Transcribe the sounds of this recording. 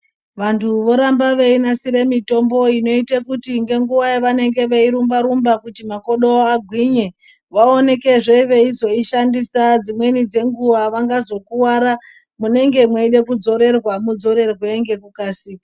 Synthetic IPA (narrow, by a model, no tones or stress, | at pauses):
ʋantʰuʋo̞ɾambaʋeinasiɾe̞mito̞mbo̞ino̞itakutiŋɡe̞ŋɡuʋaeʋane̞ŋɡe̞ʋeiɾumbaɾumbakutimako̞ɗooaɡʱwiɲe | ʋao̞ne̞ke̞ʐeiʋe̞izo̞iʃandisad͡zimwe̞nid͡ze̞ŋɡuʋaʋaŋɡazo̞kuwaɾa | mune̞ŋɡe̞mweiɗe̞kud͡zo̞ɾe̞rwamud͡zo̞ɾe̞rweŋɡe̞kukaːsi